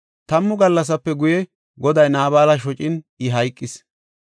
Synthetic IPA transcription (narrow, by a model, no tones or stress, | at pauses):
t̪ɐmːʊɡɐlːɐs̬ɐpːɛɡʊjɛ | ɡɔd̪ɐjnaːbaːlɐʃ̬ɔt͡ʃʼɪn | ɪɦɐjkʼːɪs